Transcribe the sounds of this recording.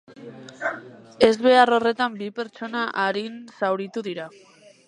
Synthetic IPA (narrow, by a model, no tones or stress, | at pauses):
e̞zβe̞aro̞re̞t̪ambipe̞ɾt͡ʃo̞naʔaɾinsawɾit̪uðiɾa